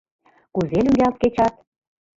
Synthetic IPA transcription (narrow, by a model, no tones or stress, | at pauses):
kuzelyŋɡælt̪̚ket͡ɕɑt̪̚